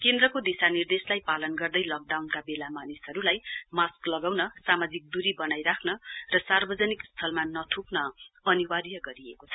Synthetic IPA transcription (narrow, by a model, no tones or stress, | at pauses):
kend̪rʌkod̪isanird̪eslajpalʌnɡʌrd̪ʌjlʌk̚ɖawnkabelamanisʌɾulajmasklʌɡawnʌsamad͡zik̚d̪uɾibʌnajɾakʰnʌrʌsarbʌd͡zʌnikst̪ʰʌlmanʌtʰuknʌʌniwarjʌɡʌɾiekot͡sʰʌ̥